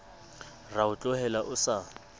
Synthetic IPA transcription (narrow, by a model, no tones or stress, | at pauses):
raʊt͡ɬʼʊhɛlaʔʊsa